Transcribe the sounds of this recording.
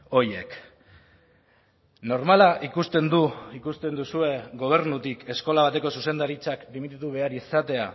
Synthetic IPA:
o̞je̞k | no̞ɾmalaʔikust̪e̞nd̪uikust̪e̞nd̪usue̞ɡo̞β̞e̞ɾnut̪ike̞sko̞laβ̞at̪e̞ko̞suse̞nd̪aɾit͡saklimit̪it̪uβ̞e̞aɾisat̪e̞a

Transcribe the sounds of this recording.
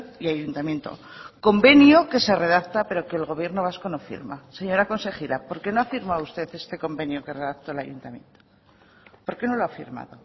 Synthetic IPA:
iajunt̪amje̞nt̪o̞̰ | ko̞mbe̞njoke̞se̞re̞ð̞akt̪ape̞ɾo̞ke̞ːlɣo̞β̞je̞ɾno̞β̞asko̞nofḭɾmase̞ɲo̞ɾako̞nse̞xiɾapo̞ɾke̞no̞afiɾmaust̪e̞θe̞st̪e̞ko̞mbe̞njoke̞re̞ðakt̪olajṵnt̪amjẽ̞̰nt̪o̥ | po̞ɾke̞no̞loafḭɾma̰ðo

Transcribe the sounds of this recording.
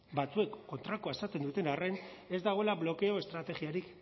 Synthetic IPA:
bat͡sue̞kːo̞nt̪ɾakoaesat͡s̪e̞nd̪ut̪e̞nare̞ne̞zd̪aɣ̞o̞elaβlo̞ke̞o̞e̞st̪ɾat̪e̞ɣiaɾik

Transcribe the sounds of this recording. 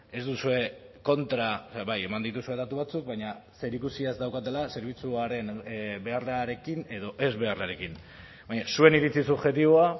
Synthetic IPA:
e̞zd̪usue̞ko̞nt̪ɾasaβaje̞mand̪it̪usue̞ðat̪uβ̞at͡suk̚baɲase̞ɾikusiazd̪awkat̪e̞lase̞ɾβ̞it͡suaɾe̞nbe̞arlaɾe̞kine̞ðo̞ʔe̞zβe̞arlaɾe̞kin | baɲasue̞niɾit͡sisuβxe̞t̪iβoa

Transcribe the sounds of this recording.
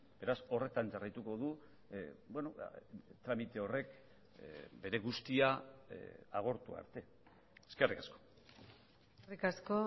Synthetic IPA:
b̥e̞ɾaso̞re̞t̪and͡ʒarajt̪uko̞ð̞u | bwe̞not̪ɾamit̪e̞o̞re̞k | be̞ɾe̞ɣust̪ia | aɣ̞o̞ɾt̪ua̰ɾt̪e̞ | eskerikasko̥ | rikasko

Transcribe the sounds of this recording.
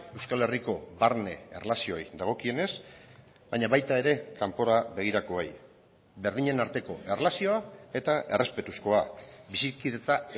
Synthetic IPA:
e̞wskale̞riko̞βaɾne̞̰ḛrlasio̞jd̪aɣ̞o̞kie̞ne̞z | bajɲaβajt̪ae̞ɾe̞kampo̞ɾaβe̞ɣ̞iɾako̞ej | be̞ɾðiɲe̞naɾt̪e̞ko̞e̞rlasio̞ae̞t̪aʔe̞re̞spe̞t̪usko̞abisikiðe̞t͡s̪a

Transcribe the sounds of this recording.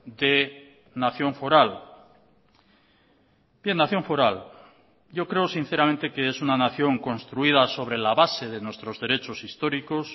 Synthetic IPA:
d̪e̞ | naθjo̞ɱfo̞ɾal | b̥je̞nːaθjo̞ɱfoɾal | ɟ͡ʝo̞kɾe̞osin̟θe̞ɾamẽnt̪e̞keesunanaθjo̞ŋko̞nst̪ɾuið̞aso̞βɾe̞laβase̞ðe̞nwe̞st̪ɾo̞zðe̞ɾe̞t͡ʃo̞sist̪o̞ɾiko̞s

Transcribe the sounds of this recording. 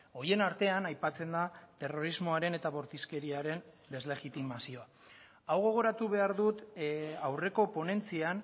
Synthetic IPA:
o̞je̞naɾt̪e̞anajpat͡se̞nd̪at̪e̞ro̞ɾizmo̞aɾe̞ne̞t̪aβo̞ɾt̪iske̞ɾiaɾe̞n | d̪e̞zle̞ɣit̪imasio̞a | awɣ̞o̞ɣ̞o̞ɾat̪uβe̞aɾðut̪awre̞ko̞po̞ne̞nt͡sian

